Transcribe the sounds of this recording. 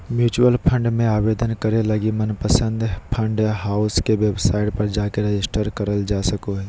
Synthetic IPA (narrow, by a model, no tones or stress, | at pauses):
mjuːt͡ʃuəlpʰə̃ɳɖmẽaːʋeːd̪ənkɐɾelɐɡimɐnpəsə̃nd̪ʱpʰɐ̃ɳɖɦaːʊskeʋeːbsaːɪʈpɐɾd͡ʒaːkeɾed͡ʒɪsʈəɾkɐɾəld͡ʒaːsɐkoɦɛː